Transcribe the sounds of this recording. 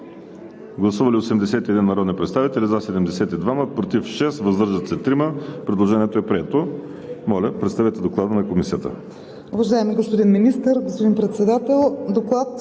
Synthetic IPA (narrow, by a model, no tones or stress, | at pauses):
ɡlˠɐsuvɐliosɛmd̪ɛsɛt̪iɛd̪inːɐɾɔd̪nʲipɾɛt̪st̪avit̪ɛlizɐsɛd̪ɛmd̪ɛsɛt̪id̪vamət̪̚pɾot̪ifʃɛsvɐzd̪ɤɾʒɐt̪sɛt̪ɾiməpɾɛd̪lˠoʒɛniɛt̪oɛpɾiɛt̪o | mɔlʲɐpɾɛt̪st̪avɛt̪ɛd̪oklˠad̪ənɐkomisiət̪ə̰ | uvɐʒaɛmiɡospod̪inminist̪əɾɡospod̪inpɾɛt̪sɛd̪at̪ɛlˠd̪oklˠat̪